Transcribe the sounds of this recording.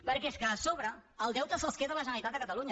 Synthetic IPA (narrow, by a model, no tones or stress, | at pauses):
pəɾkeskəːsoβɾəːlˠd̪ɛwt̪əsəskeðələʒənəɾlit̪at̪d̪əkət̪əluɲə